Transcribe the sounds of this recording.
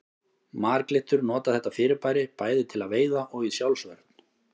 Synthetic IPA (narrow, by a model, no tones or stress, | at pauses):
maːɾklɪht̪ʏɾnɔːt̪aθɛht̪ːafɪːɾɪɾpaːjɾɪpaːjðɪt̪ʰɪlaðveːjðaʔɔɣisjawlsvœɾt̪n̥